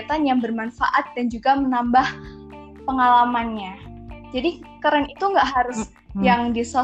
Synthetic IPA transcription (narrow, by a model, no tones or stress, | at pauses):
t̪anjaŋbərmanfa̰ʔat̪̚dand͡ʒuɡamənambah | pəŋalamanɲad͡ʒadikaɾanit̪uŋɡaʔɦaɾʊs | jaŋdisa